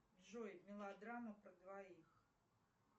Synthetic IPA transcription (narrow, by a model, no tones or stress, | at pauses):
bʐɔjmʲɪlˠad̪ɾamɐpɾɐd̪vaix